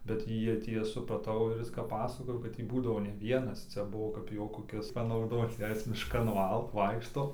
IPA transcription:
bʲɛt ˈjiɛ tʲiɛ sʊprɐˈtɐʊ ˈɪr ˈɪs kɐp ˈpɑːsɐkoːjoː ˈkɐt tʲiː ˈbuːdɐʋoː ˈnʲɛ ˈʋʲiɛnɐs ˈt͡sʲæːˈbʊʋoː kɐɪp ˈjoː koːˈkʲɪs pɐnɐʊˈdoːt͡s ˈjɛɪ ˈjɪs mʲɪʃˈkɐn ˈʋɐɪkʃtoː

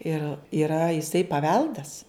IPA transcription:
ɪr iːˈrɐ jɪˈsɐɪ pɐˈʋʲɛlˠdɐs

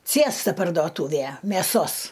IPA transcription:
ˈt͡sʲeːstɐ pɐrdoːˈtuːʋʲeː mʲeːˈsoːs

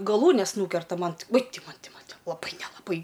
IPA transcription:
ɡɐˈlˠuːnʲɛs ˈnuːkʲɛrtɐ ˈmɐn uɔj ˈtʲɪ ˈmɐn ˈtʲɪ ˈmɐn lˠɐˈbɐɪ nʲɛlˠɐˈbɐɪ

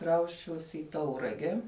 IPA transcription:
ˈkrɐʊsʲt͡ʃʲɛʊsʲɪ ɪ ˈtɐʊrɐɡʲɛ

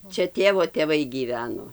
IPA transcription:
ˈt͡ʃʲɛ ˈtʲeːʋoː tʲeːˈʋɐɪ ɡʲiːˈʋʲæːnoː

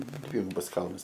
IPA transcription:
ˈdʲʋʲɪɡʊbɐs ˈkɐlˠnɐs

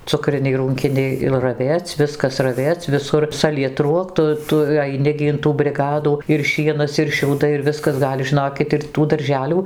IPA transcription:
ˈt͡sʊkrʲɪnʲɛɪ ˈruːŋʲkʲɪnʲɛɪ ɪr rɐˈʋʲeːt͡sʲ ˈʋʲɪskɐs rɐˈʋʲeːt͡sʲ ʋʲɪˈsʊr sɐlʲiɛˈtruɔk ˈtʊ ˈtʊ ɐɪˈnʲɪ ɡʲɪ ɪn ˈtuː bʲrʲɪˈɡɑːduː ɪr ˈʃʲiɛnɐs ɪr ʃʲɛʊˈdɐɪ ɪr ˈʋʲɪskɐs ˈɡɐlʲ ʒʲɪˈnoːkʲɪt ɪr tuː dɐrʲˈʒʲæːlʲuː

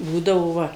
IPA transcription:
ˈbuːdɐʋoː ˈʋɐ

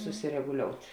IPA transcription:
sʊsʲɪrʲɛɡʊˈlʲoːʊtʲ

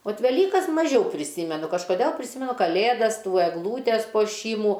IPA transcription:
oːt ʋʲɛˈlʲiːkɐs mɐˈʒʲɛʊ pʲrʲɪˈsʲiːmʲɛnʊ kɐʃkoːˈdʲɛlˠ pʲrʲɪˈsʲɪmʲɛnʊ kɐˈlʲeːdɐs ˈtuː ɛɡˈlˠuːtʲɛs puɔˈʃʲiːmuː

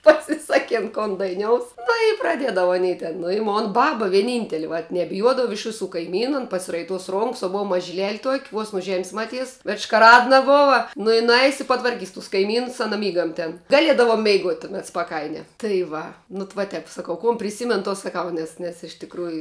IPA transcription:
pɐsʲɪˈsɑːkʲeːn koːn dɐɪˈnʲoːʊs nʊ ɪ prɐˈdʲiɛdɐʋɐ ɐˈnʲiː tʲɛn nʊ ɪ ˈmoːn ˈbɑːbɐ ʋʲiɛˈnʲiːnʲtʲɛlʲɪ ʋɐ nʲɛbʲɪˈjuɔdɐʋɐ ɪʃ ˈʋʲɪsuː kɐɪˈmʲiːnʊ ɐn pɐsʲɪrɐɪˈtuɔs ˈroːŋks oː ˈboːw mɐʒʲɪˈlʲɛlʲ tuɔkʲ ʋuɔs nʊ ʒʲɛmʲsʲ mɐˈtʲiːs ʋʲɛʃ ʃkɐˈrɑːdnɐ ˈboːʋɐ ˈnʊ ɪ nʊˈɐɪs ɪt pɐtʋɐrʲˈkʲiːs tʊs kɐɪˈmʲiːnʊs ɐˈnɐ ˈmʲiːɡɐm tʲɛn ɡɐˈlʲiɛdɐʋɐ mʲɛɪˈɡuɔtʲ tʊˈmʲɛt spɐˈkɐɪnʲɛ tɐɪ ˈʋɐ nʊ t ʋɐ ˈtʲɛp sɐˈkɐʊ koːn pʲrʲɪˈsʲiːmʲɛn toː sɐˈkɐʊ ˈnʲɛs nʲɛs ɪʃ tʲɪkˈruːjʊ

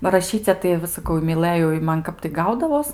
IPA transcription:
bɐ rɐˈʃʲiːt͡sʲɛ tɐɪ ʋɐ sɐ kɐʊ ɪ mʲɪˈlˠɘjɛʊ ɪ ˈmɐn ˈkɐp tɐɪ ˈɡɐʊdɐʋoːs

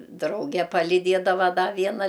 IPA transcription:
ˈdrɐʊɡʲɛ pɐlʲɪˈdʲiɛdɐʋɐ ˈdɐ ˈʋʲiɛnɐ

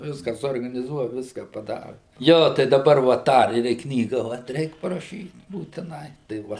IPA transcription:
ˈʋʲɪskɐ suɔrɡɐnʲɪˈzuɔjɛ ˈʋʲɪskɐ pɐˈdɑːrɐ ˈjoː tɐɪ dɐˈbɐr ʋɐ ˈtɑː ɪr ɪ ˈknʲiːɡɐ ʋɐt ˈrʲɛɪk pɐrɐˈʃʲiːt buːtʲɪˈnɐɪ tɐɪ ˈʋɐ

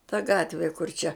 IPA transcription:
tɐ ˈɡɑːtʲʋʲɪ kʊr t͡ʃʲɛ

